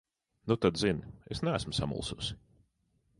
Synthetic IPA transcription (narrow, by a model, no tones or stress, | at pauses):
nut̪ad̪zinesnææsmsa̰mṵlˠsṵs